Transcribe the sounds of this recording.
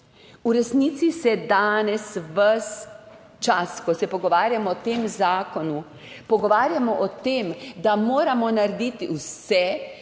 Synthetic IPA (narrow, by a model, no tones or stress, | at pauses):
uɾɛsnit̪sisɛd̪aːnɛsʋəs | t͡ʃaskɔsɛpɔɡɔʋaːɾjamɔːt̪eːmzaːkɔnu | pɔɡɔʋaːɾjamɔʔɔt̪eːmd̪amoːɾamɔnaɾɛd̪it̪iwsɛ